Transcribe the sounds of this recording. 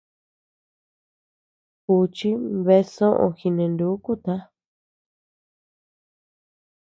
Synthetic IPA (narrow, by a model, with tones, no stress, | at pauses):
ku˧t͡ʃi˦βe˧sõ˦ʔõ̰˧xi˧nẽ˧nd̪u˨˦ku˦t̪a˦